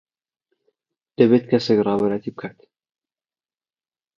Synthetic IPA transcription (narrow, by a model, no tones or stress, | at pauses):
d̪̥ɐβet̪kʰɐsekrɑːbɐɾajat̪ʰibɨkʰaːt̪